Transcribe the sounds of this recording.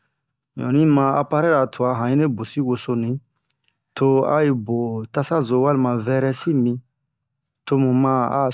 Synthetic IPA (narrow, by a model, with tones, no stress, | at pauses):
ɲɔ̰̃˨nĩ˦mã˧a̰˧pa˦ɾɛ˦ɾa˨tʰu˨a˨ɦã˨ĩ˦ne˦bo˨si˦wo˧so˧nĩ˨˦ | to˦a̰˦i˧bo˨ta˦sa˦zo˨wa˦li˨mã˨vɛ˦ɾɛ˦si˦mĩ˦ | to˦mũ˨mã˦a̰˦